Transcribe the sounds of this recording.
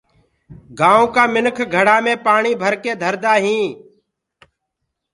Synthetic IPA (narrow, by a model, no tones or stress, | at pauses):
ɡaːõːkaːmɪnkʰɡʱəɽaːmẽːpaːɳiːbʱəɾkeːd̪ʱəɾd̪aːɦĩː